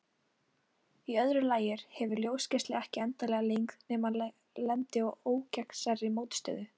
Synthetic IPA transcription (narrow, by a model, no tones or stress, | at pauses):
iœðɾʏlaːjɪɾ̥hɛvʏɾljowscɪst̪lɪɛhcɪɛnt̪alɛɣaleŋknɛːma | lɛnt̪ɪɔɣoːwcɛksaɾːɪmoːwt̪st̪œ̰ːðʏ